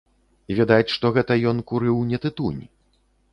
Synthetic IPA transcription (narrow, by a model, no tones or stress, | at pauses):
ivʲɛd̪at͡sʲʂt̪ɔɣɛt̪ɐjɔnkuɾɨwnʲɛt̪ɨt̪unʲi